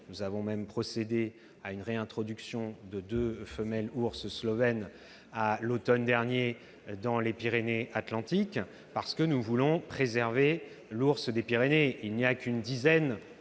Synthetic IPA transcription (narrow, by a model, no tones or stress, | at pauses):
nuzavɔ̃mɛmpχɔsed̪e | aynʁeɛ̃t̪χɔd̪yksjɔ̃d̪əd̪øfəmɛluʁsslɔvɛn | alot̪ɔnd̪ɛʁnje | d̪ɑ̃lepiʁeneʔat̪lɑ̃t̪ik | paʁsə̥kənuvulɔ̃pχezɛʁve | luʁsd̪epiʁeneilnijakynd̪izɛn